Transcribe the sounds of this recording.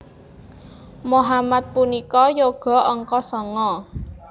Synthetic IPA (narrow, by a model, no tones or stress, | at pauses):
moɦamat̪̚punikɔjoɡ̥ɔ̤ɔŋkɔsɔŋɔ